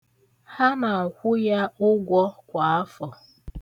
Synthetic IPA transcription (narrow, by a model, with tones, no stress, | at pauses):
ha˦ma˨kʷʊ˦ja˦ʊ˦ɡʷɔ˦kʷa˨a˦fɔ˨